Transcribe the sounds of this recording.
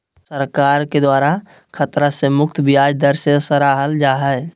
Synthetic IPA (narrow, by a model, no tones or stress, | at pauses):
səɾkaːɾked̪waːɾa | kʰət̪ɾasemʊk̚t̪ʰbʱiaːd͡ʒd̪əɾsesəɾaɦəld͡ʒaːɦəj